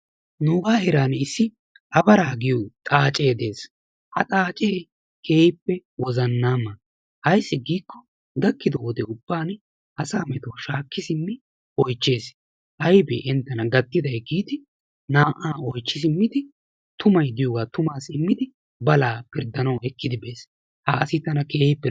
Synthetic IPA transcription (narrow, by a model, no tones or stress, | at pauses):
nuːɡaːhɛɾaːnɪsːɪ | ʔɐbɐɾaːɡɪjuːt̪ʼaːt͡ʃʼe̞ːd̪e̞ːs | hɐt̪ʼaːt͡ʃʼe̞ː | keːjpːɛwɔzɐnːaːmːɐ | hɐjsːɪɡiːkːɔ | d̪ɐkːɪd̪ɔwɔd̪ɛʊb̥ːaːn | ʔɐsaːmɛt̪oːʃaːkːɪsɪmːɪ | ʔɔjt͡ʃːe̞ːs | hɐjbɛ̰ʔɛnt̪ːɐnɐɡɐt̪ːɪd̪ɐjɡiːd̪ɪ | naːʔaːɔjt͡ʃːɪs̬ɪmːɪd̪ɪ | t̪ʊmɐjd̪ɪjoːɡaːt̪ʊmaːsɪmːɪd̪ɪ | bɐlaːpɪɾd̪ɐnɐwɛkːɪd̪ɪbe̞ːs | hɐɐsɪt̪ɐnɐkeːhpːɛ